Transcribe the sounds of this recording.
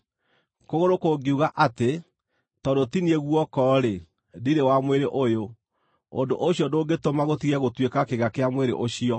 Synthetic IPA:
koɣoɾokoɡeuɣaʔate | tɔdotinieɣwɔkɔɾe | diɾewamweɾeʔojo | o̰ndoʔoɕjɔndoːɡetomaɣotiɣɛɣotwekakeɣakeamweɾḛʔoɕiɔ

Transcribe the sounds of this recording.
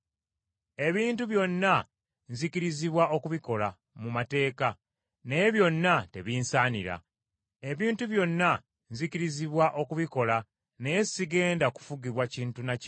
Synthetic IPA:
e̞βiːntuβjo̞nːa | nziciɾiziβwaʔo̞kuβiko̞la | mumate̞ːka | neβjo̞nːate̞̰βiːnsaːnḭɾa̰ | e̞βiːntuβjo̞nːa | nzikiɾiziβwaʔo̞kuβiko̞la | nejesiɡe̞ːndaku̥fuɡiβwaciːntunac

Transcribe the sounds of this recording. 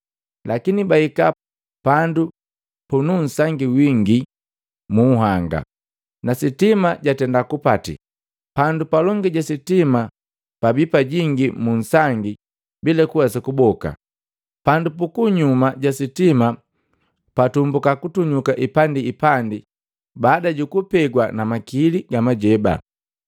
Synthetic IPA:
lʔakinibaika | pandu | punun̩saŋɡiwiŋɡi | muːɦaŋɡa̰ | nasitimaɟatɛndakupatḭ | pandupalɔŋɡiɟasitima | pabipaɟiŋɡimun̩saŋɡi | bilɛkuwasakubɔka̰ | pandupukuɲumaɟasitima | patumbukakutuɲukaʔipandiipandi | baːdaɟukupɛɡwanamakiliɡamaɟɛba̰

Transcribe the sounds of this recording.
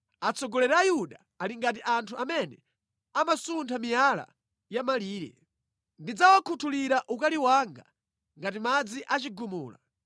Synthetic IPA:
at͡sɔɡɔlɛɾaːjuɗa | aliŋɡat̬iʔantʰuamɛnɛ̰ | amasuntʰamijala̰ | jamaliːɾɛ̰ | ndid͡zawakʰutʰuliɾaʔukaliwaŋɡa | ŋɡatimad͡ziʔat͡ʃiɡumuːla̰

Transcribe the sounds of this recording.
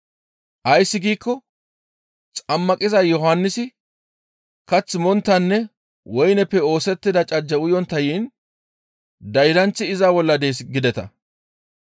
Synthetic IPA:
ʔɐjsːɪɡiːkːɔ | t͡sʼɐmːɐkʼɪzɐjɔɦanːɪsɪ | kɐt͡sːɪmɔnt̪ːɐnːɛ | wɔjnɛpːɛo̞ːsɛt̪ːɪd̪ɐt͡ʃʼɐd͡ʒːɐwʊjɔnt̪ːɐjiːn | d̪ɐjɾɐnt͡sːɪɪzaːwɔlːɐd̪e̞ːsɡɪd̪ɛt̪ɐ̰

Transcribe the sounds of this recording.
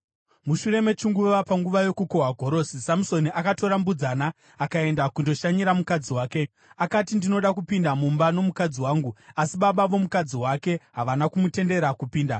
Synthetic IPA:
muʃuɾe̞me̞t͡ʃiŋɡuʋapaŋɡuʋajo̞kukoɦaɡʱo̞ɾo̞ːsisamuso̞niʔakato̞ɾambud͡zanaː | kae̞ndakundo̞ʃaɲiɾamukad͡ziwaːke̞ | akatindino̞ɗakupindamumbano̞mukad͡ziwaːŋɡuasiɓaɓaʋo̞mukad͡ziwake̞ɦaʋanakumute̞nde̞ɾakupiːnda̰

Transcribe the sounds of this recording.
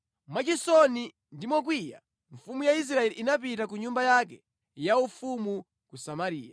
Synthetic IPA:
mwat͡ʃisɔni | ndimɔk̬wija̰ | ɱfumujais̬ɾaɛliʔinapitak̬uɲumbajakɛ | jaufumu | kusamaɾiːja

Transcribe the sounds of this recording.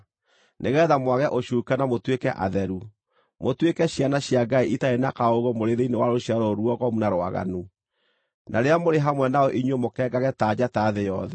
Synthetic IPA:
neɣɛðamwaɣɛʔoɕuːkanamotwekɛʔa̰ðɛɾu | motwekɛɕjanaɕjaɡaiʔitaenakaoɣomoɾeɾeinewaɾoɕjaɾoɾuɔɣɔmunaɾwa̰ɣa̰nu | naɾeamoɾeɦamwɛnaɔʔiɲwomokɛːɡaɣɛtaːd͡ʑataːðejɔðɛ

